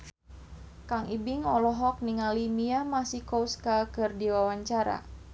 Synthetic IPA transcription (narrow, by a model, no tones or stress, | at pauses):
kaŋibɪŋɔlɔɦɔk̚niŋalimiamasihkowskakɨrdiwawaɲt͡ʃaɾa̰